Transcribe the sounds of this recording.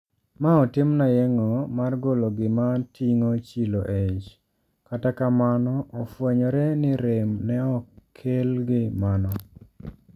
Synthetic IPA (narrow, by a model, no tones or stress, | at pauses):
maɔtɪmnajeŋomarɡoloɡɪmatʰiŋot͡ʃiloʔet͡ʃ | katakamanɔʔɔfwɛɲɔɾɛnɪɾemnɛɔkʰelɡɪmanɔ